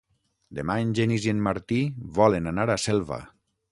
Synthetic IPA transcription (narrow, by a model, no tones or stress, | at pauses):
d̪emaeɲnʲʒenizienmaɾt̪iβɔlenanaɾasɛlˠβa̰